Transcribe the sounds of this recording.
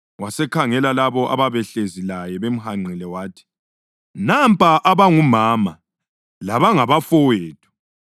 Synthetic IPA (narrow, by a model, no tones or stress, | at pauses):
wasɛkʰaŋɛlalaβɔʔa̰βaβɛɬezilajɛβem̩haŋ͡ǀilɛwaːtʰi̥ | nampʼaʔaβaŋumaːma | laβaŋaβafɔweːtʰʼu̥